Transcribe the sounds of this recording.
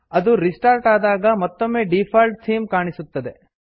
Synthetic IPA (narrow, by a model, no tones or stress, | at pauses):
ɐd̪uɾisʈaːɾʈaːd̪aːɡɐmɐt̪ːomːeːɖiːpʰaːlʈsiːmkaːɳisut̪ːɐd̪e̞